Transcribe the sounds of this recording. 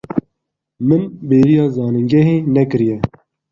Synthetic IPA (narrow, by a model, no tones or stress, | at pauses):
mɨnbeːɾijɑːzɑːnɨŋɡɛɦeːnɛkɨɾijɛ